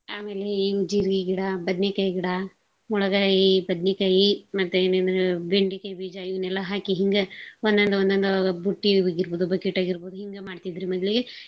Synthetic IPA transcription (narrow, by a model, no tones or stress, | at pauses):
aːme̞ːle̞iʋud͡ʒiːɾɡiɡiɽɐbɐd̪njɐkɐjiɡiɽɐ | muɭɐɡaːjibɐd̪nɐkɐjimɐt̪ːueːnɐnd̪ɐɾebeɳɖikɐjbiːd͡ʒaiʋɐnɛlːɐɦaːkiɦiŋɡɐond̪ɐnd̪ɐond̪ɐnd̪ɐbuʈːiɡiɾboːd̪ubɐkiʈaːɡiɾboːd̪uɦiŋɡɐmaːɖt̪id̪ɾimɔd̪liɡe